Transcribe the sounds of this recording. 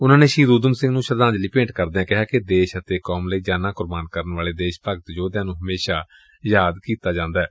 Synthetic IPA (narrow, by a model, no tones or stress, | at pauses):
ʊnãːneːʃiːd̪uːd̪əmsɪ̃ŋɡnũːʃəɾd̪aːnd͡ʒliːpẽːɳʈkəɾd̪eːãːkɪɦaːkɪd̪eːʃət̪eːkɔːmləiːd͡ʒaːnãːkʊɾbaːnkəɾənʋaːleːd̪eːʃpəɡt̪d͡ʒoːd̪jãːnũːɦəmeːʃaː | jaːd̪kiːt̪aːd͡ʒãːnd̪aːɛː